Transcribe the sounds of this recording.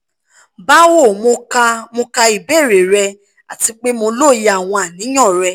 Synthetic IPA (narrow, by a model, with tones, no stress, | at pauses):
ba˦wo˦˨mo˧ka˧mo˧ka˧i˨be˦˨ɾe˨ɾɛ˧ | a̰˨ti˧k͡pe˦mo˧lo˦˨ja˨w̃ɔ̃˧a˨nĩ˨˦ɔ̃˦˨ɾɛ˧˦